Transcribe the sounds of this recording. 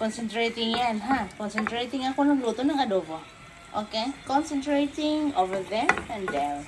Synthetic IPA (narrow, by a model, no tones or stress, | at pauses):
kɔnsɛnt̪ɾet̪iŋjanɦãkɔnsɛnt̪ɾet̪iŋakunakluot̪unakadovɔ | ʔokekɔnsɛnt̪ɾet̪ɪŋovəðɛmɛ̃ndɛm